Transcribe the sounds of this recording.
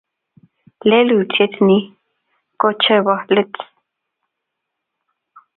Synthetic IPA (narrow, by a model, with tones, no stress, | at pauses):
le˦lu˨t͡se˦t̪ni˦ | ko˦t͡ʃe˦˧ba˦le˦t͡s